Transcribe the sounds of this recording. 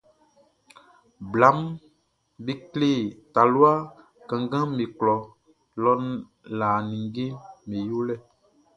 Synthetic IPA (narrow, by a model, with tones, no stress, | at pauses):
bla˨˦m | be˦kle˦˨ta˨lu˦a˦ | kã˨ŋɡã˦me˨klɔ˨ | lɔ˦n | la˨nĩ˨ŋɡe˦me˨jo˦lɛ˦˨